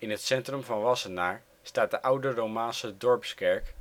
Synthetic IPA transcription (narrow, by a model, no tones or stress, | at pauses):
ɪnɦətsɛntrɵmvɑnʋɑsənaːɹ | staːt̚dəʔʌwdərowmaːnsədɔɹpskɛɹk